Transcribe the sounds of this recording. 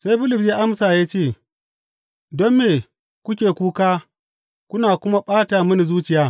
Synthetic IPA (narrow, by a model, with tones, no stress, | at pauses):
sa˦jɸɪ˦lɪ˨ps̬jaː˦ʔa˦msaː˨jaː˦t͡ʃeː˦˨ | dɔ˦mːeː˨ | kʷʊ˦kʲeː˨kʷuː˦kaː˦ | kʷʊ˦naː˨kʷʊ˦ma˦ɓaː˦ta˨mʊ˦ni˨zuː˦t͡ʃɪ˦jaː˦